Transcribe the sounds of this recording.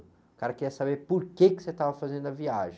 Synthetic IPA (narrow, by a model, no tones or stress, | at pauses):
kaɾɐkɪiɐsabeɾpoɾkekɪ̥set̪avɐfazẽnd̪ʊɐviaʒẽ